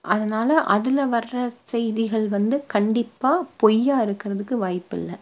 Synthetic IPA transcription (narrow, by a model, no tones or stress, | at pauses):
ʔɐðɐnaːlɐʔɐðɪlɐʋɐrːɐsɛjðɪɣɐɭʋɐnd̪ɯkɐɳɖɪpːaːpɔjːaːɪɾɯkːɪɾɐðɯkːɯʋaːjpːɪ̰lːɐ